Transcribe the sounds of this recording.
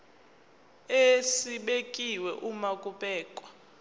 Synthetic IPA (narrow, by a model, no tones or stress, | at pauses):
esiɓekʼiwɛʔumakʼuɓɛːkʼwa